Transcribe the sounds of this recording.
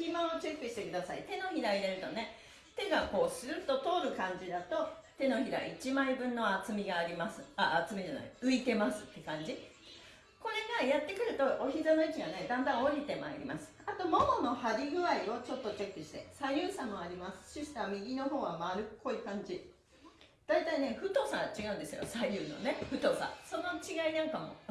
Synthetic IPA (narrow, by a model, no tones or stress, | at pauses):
kʲimãot͡ɕe̞kːɯ̟ɕi̥t̪e̞kɯ̟d̪asaḭt̪e̞no̞çiɾaiɾeɾɯ̟t̪o̞ne̞ | t̪e̞ɡako̞ːsɨɾɯ̟t̪ːo̞t̪o̞ːɾɯ̟kãɲ̟d͡ʑid̪at̪o̞t̪e̞no̞çiɾa̰it͡ɕimaibɯ̟̃nːo̞at͡sɨmʲiɡaːɾʲimasɨ̥aːt͡sɨmeʑana̰iɯ̟it̪e̞masɨ̥t̪ːe̞kãɲ̟d͡ʑi | ko̞ɾe̞ɡajat̪ːe̞kɯ̟ɾɯ̟t̪o̞ʔoçizanoɯ̟t͡ɕiɡane̞d̪ãnd̪ãɰ̃o̞ɾʲit̪e̞ma̰eɾʲḭmasɨ̥at̪o̞mono̞no̞haɾʲiɡɯ̟aio̞t͡ɕo̞t̪ːo̞t͡ɕekːɯ̟ɕi̥t̪e̞̰saijʲɯːsãmːo̞aɾʲimasɨ̥ɕɨɕi̥t̪amʲiɡʲino̞ho̞ːɡamaɾɯ̟kkʰːo̞ikãɲ̟d͡ʑi | d̪̥ait̪aine̞ɸɯ̟t̪o̞ːsaɡat͡ɕiɡaɯ̟̃nd̪e̞sɨjo̞̰saiɾʲɯːno̞̰ne̞ɸɯ̟t̪o̞ːsã̰so̞no̞t͡ɕiɡainãŋkamo̞̰